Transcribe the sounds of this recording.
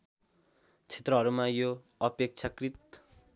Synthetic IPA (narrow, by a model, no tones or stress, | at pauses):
t͡sʰe̥t̪rʌɦʌɾumajo | ʌpek̚t͡sʰakrit̪